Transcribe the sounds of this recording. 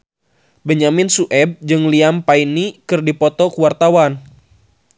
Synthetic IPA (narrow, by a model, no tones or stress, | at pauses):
bəɲamɪnsuʔɛb̚d͡ʒɨŋliampainikɨrdipɔt̪ɔkuwart̪awan